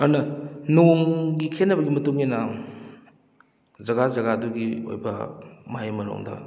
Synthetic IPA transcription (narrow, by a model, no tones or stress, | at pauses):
ɐɾnɐnoŋɡikʰenːɐbɐɡimɐtuŋenɐ | zɐɡazɐɣaduɡio̰jbɐ̰mɐɦajmɐɾo̰ŋdɐ̰